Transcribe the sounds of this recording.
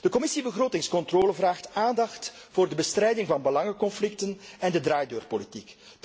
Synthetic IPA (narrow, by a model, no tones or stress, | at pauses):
d̥əkɔmɪsibəɣroːtɪŋskɔntroːləvraːxtaːndɑxtvoːrdəbəstɾɛjdɪŋvɑnbəlɑŋəkɔnflɪk̚tənɛndədraːjdøːrpolitik